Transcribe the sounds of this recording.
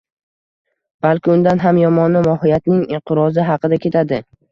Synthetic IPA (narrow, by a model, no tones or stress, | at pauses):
b̥alkʲɪʊnd̪anɦamjɒmɒnɪmɒhɪjat̪nɪŋɪɴqʰɨɾɒzɪɦɑqʰɨd̪akʲʰe̞t̪ʰad̪ɪ